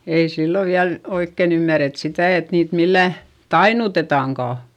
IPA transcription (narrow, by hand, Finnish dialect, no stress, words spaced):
ei silːo ʋiæl oikːeˑn ymːæret sitæˑ et niːt milːæˑ tɑinutetɑˑŋkɑˑ